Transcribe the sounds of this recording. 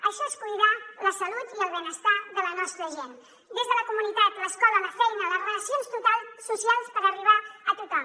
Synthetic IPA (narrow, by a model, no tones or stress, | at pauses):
əʃɔeskujðaləsəlut̪iəlˠβenəst̪aðələnɔst̪ɾəʒen | d̪ezðələkumunit̪at̪ləskɔlələfɛjnəðərələsjonst̪ut̪asusialˠspəɾəriβ̞aət̪ut̪ɔm